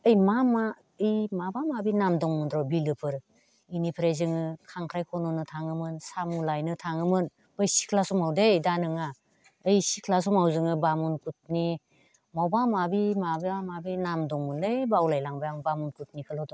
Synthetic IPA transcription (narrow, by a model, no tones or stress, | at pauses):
ɯjmama | ɯjmabamabinamdɔŋmɯndɾɔbilɯpʰɯɾ | inipʰɾezɯŋɯkʰaŋkʰɾajkʰɔnɔnɯtʰaŋɯmɯnsamulajnɯtʰaŋɯmɯn | bɯjsi̥kʰlasɔmawdejdanɯŋa | ɯjsikʰlas̬ɔmawzɯŋɯbamunkʰut̚ni | mɔwbamabimabamabinamdɔŋmɯnlɯjbawlajlaŋbajaŋbamunkʰut̚nikʰɯlɔdɔ